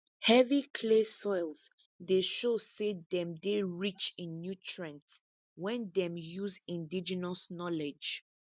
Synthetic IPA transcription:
hɛvikʰlesɔjlz | deʃosedɛ̃mdeɹit͡ʃĩnːjutʰɹɛ̃nt | wɛ̃ndɛ̃mjuzĩndid͡ʒɛnɔsnɔlɛd͡ʒ

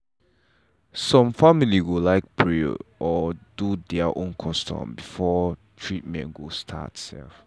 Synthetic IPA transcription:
sɔ̃mfamiliɡolaɪk̚bɹḭʔɔdudɛaʔõnkʰɔ̃stʰɔ̰̃mbifɔtʰɹit̚mɛ̰̃nɡostʰa̰tsɛ̰lf

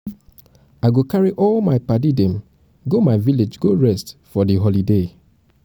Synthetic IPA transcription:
aɪɡokaɹiʔɔlmaɪpadidẽm | ɡomaɪviled͡ʒɡoɹɛstfɔdiɦɔlide

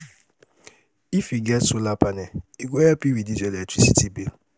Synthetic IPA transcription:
ifiɡɛsolapanɛiɡʷeeapiwidid͡ʒelɛk̚tɾisitibil

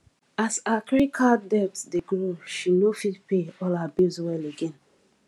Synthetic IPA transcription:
asakɹikʰadɛtdeɡɹoʃinofitpeɔlabizwɛleɡɛ̃n

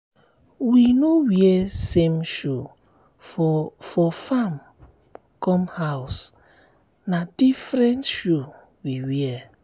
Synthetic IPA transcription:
winowiɛsẽmʃu | fɔfɔfam | kɔ̃mhaws | nadifɾɛ̃ntʃu | wiwiɛ

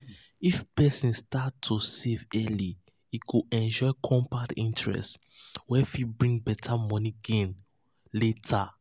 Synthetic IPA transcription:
ifpɛsĩnstatʰːusevɛli | ikuɛ̃nd͡ʒɔjkʰɔ̃mpatḭ̃ntɹɛ̰st | wɛfibɹĩŋbɛtʰamɔ̃niɡẽn | letʰa

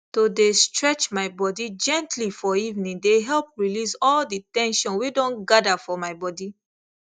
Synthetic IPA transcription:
todestɹɛt͡ʃmaɪbɔdid͡ʒɛ̃ntʰlifɔivnĩndeɦɛlp̚ɹilisɔlditɛ̃nʃɔ̃nwidõnɡadafɔmaɪbɔdi

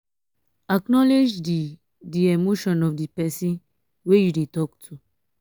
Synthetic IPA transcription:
aknɔled͡ʒdi | diemoʃɔ̃nɔfdipɛsĩn | wejudetɔktʰu

